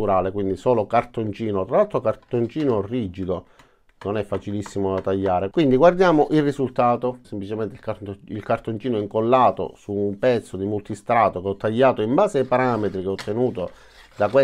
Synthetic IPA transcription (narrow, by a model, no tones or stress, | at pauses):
uɾaːlekwind̪isɔːlokart̪ont͡ʃiːnot̪ɾalːalt̪ɾokart̪ont͡ʃiːnorid͡ʒid̪o | nonɛfːat͡ʃilisːimod̪at̪aʎːaːɾekwind̪iɡward̪jaːmoʔilrːizult̪aːt̪osemplit͡ʃemɛnt̪ilkailkart̪ont͡ʃiːnoiŋkolːaːt̪o̰suːmpɛt̪sːod̪imult̪ist̪ɾaːt̪okeɔt̪ːaʎːaːt̪oimbaːseaipaɾaːmet̪ɾikeɔt̪ʰːenuːt̪o | d̪akwe